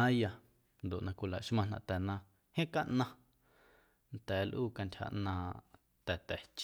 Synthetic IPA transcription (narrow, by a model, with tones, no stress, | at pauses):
ã˦ja˧ | nd̪o˨ʔnã˧kʷi˧la̰˨ʔʃmã˧nã̰˧ʔt̪ɛ˨nã˧ | hẽ˦ka˦˧ʔnã˧ | nt̪ɛː˨˦lʔuː˦ka˧ntʲha̰˧ʔnãː˧ | t̪ɛ˨t̪ɛ˨t͡ʃ